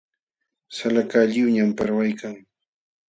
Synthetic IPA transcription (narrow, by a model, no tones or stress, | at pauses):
salakaʎɪwɲampaɾwajkʰaŋ